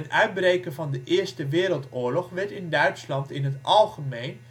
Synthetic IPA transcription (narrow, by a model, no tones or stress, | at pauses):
nœɥt̚brejkənvɑndəʔɪːɹstəʋɪːɾəlˠtʊːɹlɔχʋɛɹtɪndœɥtslɑntɪnɦətʔɑlˠχəmejn